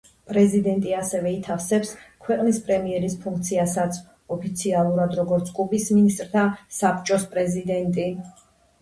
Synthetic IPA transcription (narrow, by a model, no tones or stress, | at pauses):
pʼɾɛzid̪ɛnt̪ʼiasɛvɛit̪ʰafsɛpskʰwɛqʼnispʼɾɛmiɛɾispʰũŋk̚ʰt̪sʰiasat̪sʰ | ɔpʰit̪sʰialˠuɾad̪ɾɔɡɔɾt̪sʰkʼubisminist̪ʼɾt̪ʰasapt͡ʃʼɔspʼɾɛzid̪ɛnt̪ʼi